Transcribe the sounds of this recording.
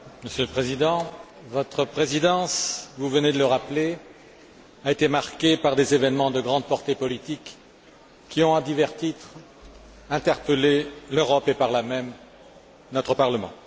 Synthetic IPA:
məsjøləpχezid̪ɑ̃ | vɔt̪χəpχezid̪ɑ̃svuvəned̪ələʁaple | aet̪emaʁkepaʁd̪ezevɛnmɑ̃d̪əɡʁɑ̃d̪̚pɔʁt̪epɔlit̪ikː | iɔ̃d̪ivɛʁt̪it̪χ | ɛ̃t̪ɛʁpəleløʁɔpepaʁlamɛm | nɔt̪χəpaʁləmɑ̰̃

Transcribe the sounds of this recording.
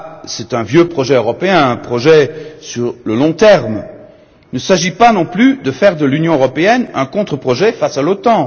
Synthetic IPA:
sɛt̪ɛ̃vjøpχɔʒɛøʁɔpeɛ̃ɛ̃pχɔʒɛsyʁləlɔ̃t̪ɛʁm | nəsaʒipanɔ̃plyd̪əfɛʁd̪əlynjɔ̃øʁɔpeɛnɛ̃kɔ̃t̪χəpχɔʒɛfasalot̪ɑ̃

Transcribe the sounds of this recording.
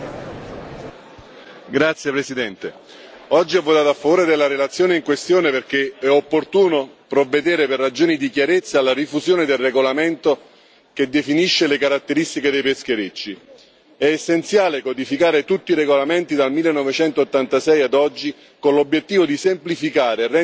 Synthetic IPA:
ɡɾat̪sːjepɾesid̪ɛnt̪e | ɔd͡ʒːiɛvːot̪aːt̪oafːavoːɾed̪elːaɾelat̪sːjoːneiŋkwest̪joːneperk̟eɛopːort̪uːnopɾovːed̪eːɾeperːad͡ʒoːnid̪ikjaɾet̪sːalːaɾifuzjoːned̪elreɡolament̪o | ked̪ːefiniʃːelekaɾat̪ːeɾist̪iked̪ejpesk̟eɾet͡ʃːi | ɛːsːent̪sjaːlekod̪ifikaːɾet̪ut̪ːiɾeɡolament̪id̪almilːenːɔvet͡ʃɛnt̪oːt̪ːant̪asɛjad̪ɔd͡ʒːi | konlobːjet̪ːiːvod̪isemplifikaːɾerɛ

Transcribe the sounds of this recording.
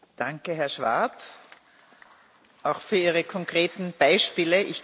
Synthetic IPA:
d̥aŋkəɦɛɐʃv̥a̰ɐp | ʔaʊxfyːɐiːʁəkʰɔŋkʁeːtn̩b̥aɪʃpiːləʔɪç

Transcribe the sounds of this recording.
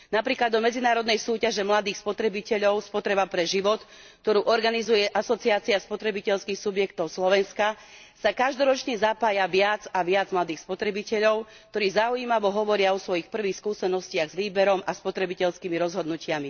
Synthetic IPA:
napɾiːklad̪ɔmɛd͡zinaːɾɔd̪nɛjsuːcaʒɛmlad̪iːxspɔt̪ɾɛbicɛʎɔʊspɔt̪ɾɛbapɾɛʒiʋɔt̪ | k̚t̪ɔɾuːʔɔɾɡanizujɛʔasɔt͡siaːt͡siaspɔt̪ɾɛbicɛʎskiːxsubjɛkt̪ɔʊslɔʋɛnska | sakaʒd̪ɔɾɔt͡ʃɲɛzapaːjaʋɪad͡zaʋɪad͡zmlad̪iːxspɔt̪ɾɛbicɛʎɔʊ | kt̪ɔɾiːzaujimaʋɔɦɔʋɔɾɪaɔsʋɔjixpr̩ʋiːxskuːsɛnɔscɪaɣzʋiːbɛɾɔmaspɔt̪ɾɛbicɛʎskiːmiɾɔzɦɔd̪nucɪami

